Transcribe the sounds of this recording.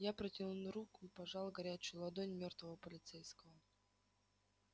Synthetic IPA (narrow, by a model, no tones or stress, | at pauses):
japɾətʲinunɾukʊipɐʐɑlˠɡɐɾʲæt͡ɕʊjʊlˠɐd̪onʲmʲo̞rt̪vəvəpəlʲɪt̪sɛjskəvə